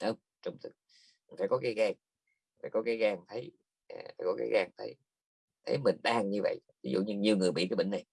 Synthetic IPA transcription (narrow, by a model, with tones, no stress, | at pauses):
ʔəː˧m | t͡ɕɔ˧wŋ͡mt̪ʰɨ˨˩k̚ | n̟faː˧˩jkɔ˨˦kaː˨˦jɣaː˧˩ŋ˨˩ | faː˧˩kɔ˨˦kaː˨˦jɣaː˧˩ŋt̪ʰə˨˦j | ʔfa̰ː˧˩jkɔ˨˦˥kaː˨˦jɣaː˨˩ŋt̪ʰə˨˦j | t̪ʰə˨˦jmï˨˩ŋ̟ɗaː˧ŋɲɨ˧və̰˧˨jvi˨˦˥zṵ˧˨ɲɨ˧ɲi˨˩əwŋɨ˨˩əjɓḭ˧˨kaː˨˦jɓḭ˧˨ŋna˨˩j